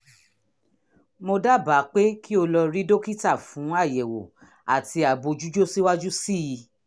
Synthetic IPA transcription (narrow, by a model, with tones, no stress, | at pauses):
mo˧da˦ba˨˦k͡pe˦ki˦o˧lɔ˧ɾi˦do˦ki˦ta˦˨fũ˨˦a˦˨je˨wo˨ | a˨ti˧a˨bo˧d͡ʒu˦d͡ʒo˦si˦wa˦d͡ʒu˦si˦˨ji˧